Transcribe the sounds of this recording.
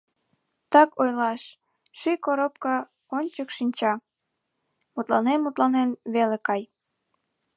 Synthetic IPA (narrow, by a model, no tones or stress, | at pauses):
t̪ɑkojlɑʃ | ʃyjkoɾop̚kɑ | onʲt͡ɕəkʃinʲt͡ɕɑ | mut̪lɑnenmut̪lɑnenβelekɑj